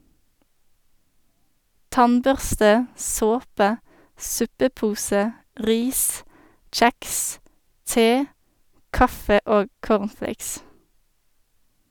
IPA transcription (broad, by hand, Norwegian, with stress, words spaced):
ˈtɑnˌbœʁstə ˈsoːpə ˈsʉpəˌpuːsə ˈʔʁiːs ˈc͡çæks ˈteː ˈkɑfə ˈoːɡ ˈkoːʁnˌfleɪks